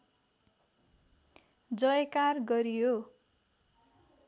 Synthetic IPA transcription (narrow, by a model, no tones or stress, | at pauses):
d͡zʌjekarɡʌɾijo